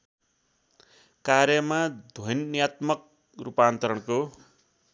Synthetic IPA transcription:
karjʌmad̪ʱojnnijat̪mʌk̚ | rupaːnt̪ʌɾʌɽko

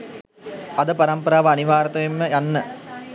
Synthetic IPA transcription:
ɐd̪əpɐɾɐmpɐɾaːʋɐɐniʋaːɾɐt̪ɐʋemːəjanːə

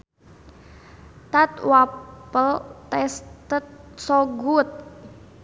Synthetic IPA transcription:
t̪at̪wapəlt̪ɛst̪ət̪̚sɔɡut̪̚

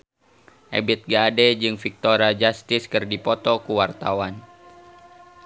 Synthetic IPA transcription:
ʔɛ̰bit̪̚ɡadɛd͡ʒɨŋfik̚t̪oɾad͡ʒast̪ɪskɨrdipɔt̪ɔkuwart̪awan

